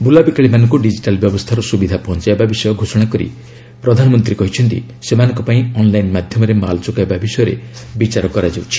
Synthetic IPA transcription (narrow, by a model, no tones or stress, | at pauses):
bulabikaɭimanɔŋkuɖid͡ʒiʈalbjɔbɔst̪ʰaɾɔsubid̪ʱapɔɦɔnt͡ʃaebabisɔjɔɡʱosɔɽ̃akɔɾḭ | pɾɔd̪ʱanɔmɔnt̪ɾikɔɦit͡ʃʰɔnt̪ḭ | semanɔ̃ŋkɔpaĩɔnlajnmad̪ʱjɔmɔɾema̰lɔt͡ʃɔkaebabisɔjɔɾḛbit͡ʃaɾɔkɔɾad͡ʒawt͡ʃʰi̥